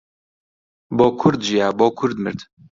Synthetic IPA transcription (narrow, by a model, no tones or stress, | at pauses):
boːkʰʊɾd̪ʒijaːboːkʰʊɾd̪mɨ̰ɾd̪